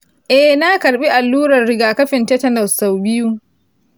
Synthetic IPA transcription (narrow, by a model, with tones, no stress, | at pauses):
ʔɛ˦hna˦kɐ˨ɾɓi˦ʔa˨lːuː˦ɾɐ˨rːɪ˦ɡaː˨kɐ˦ɸɪ˨ntɛ˦tɐ˦nɐ˨ssːa˨wbɪ˦ju˦